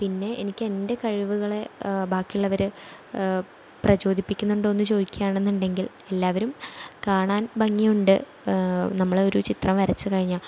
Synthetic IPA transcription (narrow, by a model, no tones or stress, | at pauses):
pinːe̞ʔenikʲːende̞kɐɻiʋuɣɐɭe̞baːkːijuɭːɐʋɐɾɨ | prɐt͡ɕo̞ːd̪ʱipːikʲːunːuɳɖɨo̞nːɨt͡ɕo̞ːd̪ikʲːjaːɳe̞nːuɳɖe̞ŋɡil | e̞lːaːʋɐɾumkaːɳaːnbʱɐŋːijuɳɖɨ | nɐmːɐɭoɾut͡ɕit̪rɐmʋɐɾɐt͡ɕːɨkɐɻiɲːaː